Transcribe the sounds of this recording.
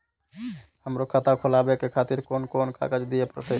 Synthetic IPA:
həmɾokʰət̪akʰolabekekʰat̪iɾkonkonka̰ɡəd͡ʒd̪iepɾə̰t̪ʰe

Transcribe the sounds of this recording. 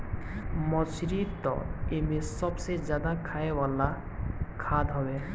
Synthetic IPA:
mɔsɾit̪ɔ̰emesɔbsed͡ʒjaːd̪akʰaewala | kʰad̪ɦɔwe

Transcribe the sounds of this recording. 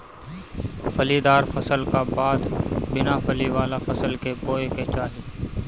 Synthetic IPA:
fəliːd̪aːɾfəsəlkaːbaːd̪bɪnaːfəliːʋaːlaːfəsəlkeboːeket͡ʃaːɦeː

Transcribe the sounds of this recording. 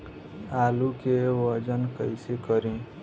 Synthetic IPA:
aːlukeʋəd͡ʒənkəɪsekəɾĩ

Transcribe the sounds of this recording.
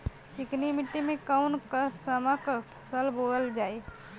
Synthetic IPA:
t͡ʃiknimiʈːimekawnkəsəməkəpʰə̥səlboləld͡ʒae

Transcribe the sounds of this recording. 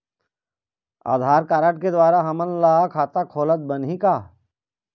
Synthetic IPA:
a̰ːd̪ʱaːɾkaːɾəʈ̚ked̪waːɾaɦɐmənlaːkʰaːt̪akʰoːlət̪̚bənɦikaː

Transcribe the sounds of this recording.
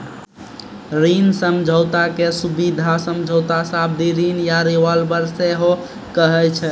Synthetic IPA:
ɾinsəmd͡ʒʱəwt̪akesubid̪ʱasəmd͡ʒʱəwt̪asab̚d̪iɾinjaɾiʋalbəɾseɦo | kəɦɛt͡ʃʰɛ

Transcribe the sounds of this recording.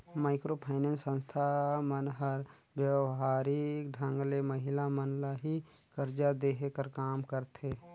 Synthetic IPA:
maːɪkɾopʰaːɪnənsə̃nst̪ʰamənɦəɾ | bjəwɦaːɾikɖʱə̃ŋɡleməɦɪlamənlaɦi | kəɾd͡ʒad̪eɦkəɾkaːmkəɾt̪ʰe

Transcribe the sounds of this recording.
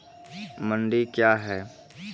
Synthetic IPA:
mə̃ɳɖikjaːɦɛː

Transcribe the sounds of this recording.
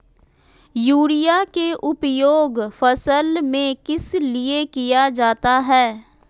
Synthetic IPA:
juːɾijakeʔʊpjoːɡfəsəlmẽkɪsliekijad͡ʒaːt̪aɦɛː

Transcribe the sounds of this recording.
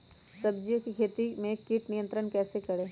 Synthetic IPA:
sɐbd͡ʒijokikʰeːt̪imẽkːiʈnijə̃nt̪ɾənkɛːsekɐɾeː

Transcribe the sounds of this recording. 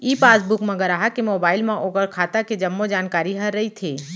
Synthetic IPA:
iːpaːsbʊkmɐ̃ɡəɾaːɦakemoːbaːɪlmẽʔoːɡəɾkʰaːt̪aked͡ʒɐmːod͡ʒaːnkaːɾiɦɐɾːɐit̪ʰeː

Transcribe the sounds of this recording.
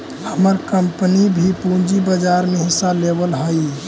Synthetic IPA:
həməɾkəmpnibʱipũd͡ʒibəd͡ʒaɾmeɦɪsalebəlɦəi

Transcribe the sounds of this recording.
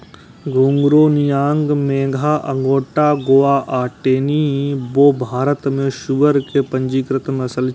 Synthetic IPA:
ɡʱuːŋɡɾoːnijaːŋɡmeːɡʱaːʔɐ̰ŋɡoːʈaːɡoːaːʔaːʈeːniboːbʱaːɾət̪mẽʃuʋəɾkepɐ̃ɲd͡ʒiːkɾɪt̪nɐsəl

